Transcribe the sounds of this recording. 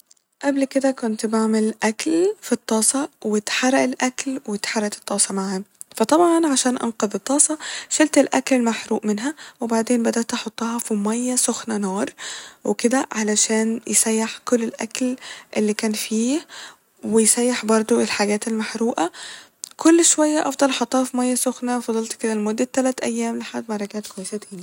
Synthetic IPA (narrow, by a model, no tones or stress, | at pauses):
ʔæblked̪ækʊnt̪baʕmelʔæklfit̪ˤːɑːsˤɑwet̪ħarˤæʔelʔæklwet̪ħarˤːɑʔt̪e̥t̪ˤːɑːsˤɑmaʕhæfæt̪ˤɑbʕɑnʕaʃæːnʔɑ̰nqɑðˤet̪ˤːɑːsˤɑʃelt̪elʔæ̰klelmaħɾuːʔmenɦæwebaʕd̪eːnbæd̪æʔt̪ʔɑħot̪ˤːɑhɑfimæjːæsoxnænɑːɾˤweked̪æʕalæʃæːnjʔesæjːaħkolːelʔæ̰klʔelːiːkæːnfiːh | wejsæjːaħbɑɾˤd̪ˤoelħaɡæːt̪elmaħɾuːʔæ | kʰolːʃowæjːæʔɑfd̪ˤɑlʔɑħot̪ˤːɑːhɑfimæjːæsoxnæwfɑd̪ˤɑlt̪ked̪ælmod̪ːet̪ːælæːt̪ʔæjːæːmleħad̪mɑrˤɑɡæʕt̪kwæjːesæt̪eːni